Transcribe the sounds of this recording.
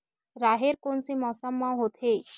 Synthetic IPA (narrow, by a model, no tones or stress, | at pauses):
ɾaɦeɾkoɳt͡semɔsəmːawɦot̪ʰe